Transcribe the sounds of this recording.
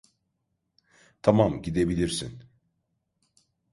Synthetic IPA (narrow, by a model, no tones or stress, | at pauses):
t̪ʰamamɟid̪e̞bilʲiɾsḭn